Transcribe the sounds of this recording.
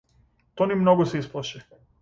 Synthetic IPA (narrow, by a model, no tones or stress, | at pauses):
t̪onimnoɡoseisplˠaʃɛ